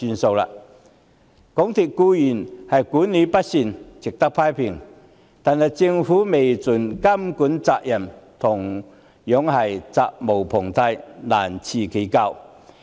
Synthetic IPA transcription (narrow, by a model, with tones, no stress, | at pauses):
y˧nso˧wla̰˧ | kʊ˨˥ŋt̪ʰi˨˩t̚kuː˧jyː˨˩nhɐ˨jkuː˨˥nːi˨˥pɐ˥t̚si˧nt͡sɪ˨k̚t̪a˥k̚pʰaː˥jpʰi˨˩ŋ | t̪aː˨nhɐ˨˩jt͡sɪ˧ŋfuː˨˦˥me˨jt͡su˨˩nkɐ˥mku˨˥nt͡saː˧˨k̚jɐ˨˩mt̪ʰʊ˨˩ŋ | jɔ˨˥ŋhɐ˨˩jt͡saː˧k̚mo˨˩wpʰʊ˨˩ŋt̪ʰɐ˧jlaː˨˩nt͡sʰiː˧kʰe˨˥ka˧w